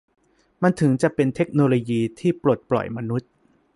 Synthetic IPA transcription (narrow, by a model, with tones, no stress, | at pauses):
ma˧nt̪ʰɯ˩˦ŋt͡ɕa˨˩ʔpe˧nt̪ʰe˦˥k̚noː˧loː˧jiː˧t̪ʰiː˥˩plu˨˩t̪̚plɔ̰˨˩jma˧nu˦˥t̪̚